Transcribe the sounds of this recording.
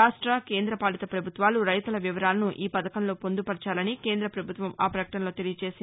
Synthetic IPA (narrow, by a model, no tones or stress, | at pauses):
aːʂʈɾɐke̞ːnd̪ɾɐpaːlit̪ɐpɾɐbʱut̪ʋaːluɾɐjt̪ulɐʋiʋɐɾaːlɐnuʔiːpɐd̪ɐkɐnlo̞ːpond̪upɐɾt͡ʃaːlɐnike̞ːnd̪ɾɐpɾɐbʱut̪ʋɐmaːpɾɐkɐʈɐnlo̞ːt̪elijɐt͡ʃe̞ːsi